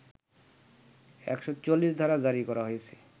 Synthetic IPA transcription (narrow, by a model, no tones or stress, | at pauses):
ɛ̰kʃot͡ɕolːiʃd̪ʱaɾad͡ʑaɾikɔɾaɦojet͡ɕʰe̥